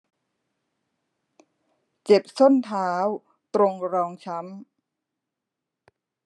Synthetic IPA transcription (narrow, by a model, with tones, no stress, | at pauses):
t͡ɕe˨˩p̚so˥˩nt̪ʰaː˦˥w | t̪ɾo˧ŋɾɔː˧ŋt͡ɕʰa˦˥m